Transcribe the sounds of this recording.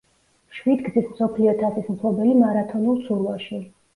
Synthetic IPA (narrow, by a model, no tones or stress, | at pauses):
ʃwid̪ɡ̪zismsɔpʰliɔt̪ʰasismtʰlˠɔbɛlimaɾat̪ʰɔnulˠsuɾwaʃi